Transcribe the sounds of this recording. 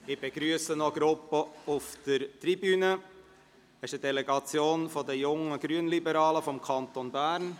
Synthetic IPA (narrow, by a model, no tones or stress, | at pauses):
ɪb̥eɡ̥ɾyəsənɔɡɾʊpːəufd̥əɾtribynə | ɪʃədɛlɛɡɑt͡sjoːnfɔd̪əjʊŋəɡ̥ɾyənlibəɾɑːləfɔmkʰɑnt̪onbæːɾn